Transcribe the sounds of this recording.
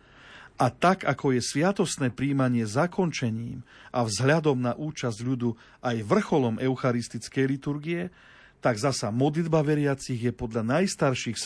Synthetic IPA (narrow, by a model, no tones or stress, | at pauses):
ʔat̪aɡakɔjɛsʋɪat̪ɔst̪nɛːpɾiːmaɲɪɛzakɔnt͡ʃɛɲiːmʔavzɦʎad̪ɔmnaʔuːt͡ʃazɟʎud̪u | ajʋr̩xɔlɔmʔɛʊxaɾist̪it͡skɛjlit̪uɾɡiɛ | t̪aɡzasamɔd̪lid̪baʋɛɾɪat͡siɣjɛpɔd̪ʎanajst̪aɾʃixs